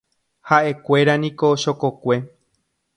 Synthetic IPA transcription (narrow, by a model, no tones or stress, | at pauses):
haʔe̞kʷe̞ɾanĩko̞ʃo̞kokʷe̞